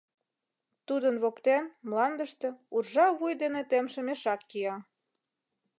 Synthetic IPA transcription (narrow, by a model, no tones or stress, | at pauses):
t̪ud̪ənβokt̪enmlɑnd̪əʃt̪ĕurʒɑβujd̪enet̪emʃə̆meʃɑkːiɑ